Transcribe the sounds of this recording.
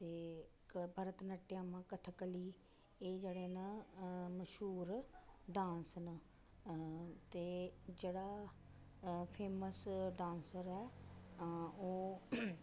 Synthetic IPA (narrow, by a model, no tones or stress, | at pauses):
t̪eːkbʱəːɾət̪nəʈːɪjãːmãːkət̪ʰkəliː | eːd͡ʒeːɽeːnəməʃɦuːɾɖãːnsnə | t̪eːd͡ʒeːɽaː | pʰeːməsɖãːnsəɾɛː | oː